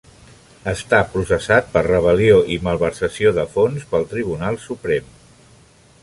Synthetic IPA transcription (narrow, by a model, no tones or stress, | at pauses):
əst̪apɾusəsat̪̚pərrəβ̞əlioʔiməlˠβəɾsəsioðəfonspəlˠt̪ɾiβunalˠsupɾɛm